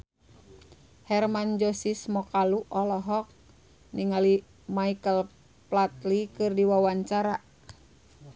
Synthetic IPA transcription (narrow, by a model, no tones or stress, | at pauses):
hɛrmand͡ʒɔsismɔkaluʔɔlɔɦɔk̚ | niŋali | maikəl | plat̪likɨrdiwawaɲt͡ʃaɾa